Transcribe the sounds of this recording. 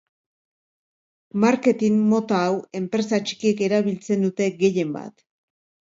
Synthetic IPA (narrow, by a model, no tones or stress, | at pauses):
maɾke̞t̪inːo̞t̪aːwe̞mpɾe̞sat͡ʃi̥kie̞ke̞ɾaβilt͡se̞nd̪ut̪e̞ɣe̞je̞mba̰t̪